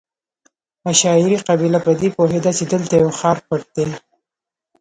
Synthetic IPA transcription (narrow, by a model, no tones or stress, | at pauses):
aʃɑɪɾiqabilapəd̪epoɦed̪at͡ʃed̪əlt̪ajawxɑɾpəʈ̚d̪̥e